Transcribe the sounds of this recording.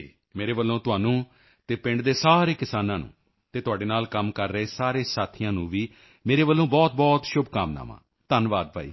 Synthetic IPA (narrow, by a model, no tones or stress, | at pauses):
meːɾeːʋəlːõːt̪ʊɦaːnũː | t̪eːpɪ̃ɳɖd̪eːsaːɾeːkɪsaːnãːnṵ̃ː | t̪eːt̪ʊɦaːɖeːnaːlkəmkəɾːəeːsaːɾeːsaːt̪ʰijãːnũːʋiː | meːɾeːʋəlːõːbɔːt̪̚bɔːt̪ʃʊbʱkaːmna̰ːmã̰ː | t̪ənʋaːd̪̚bʱa̰ːḭː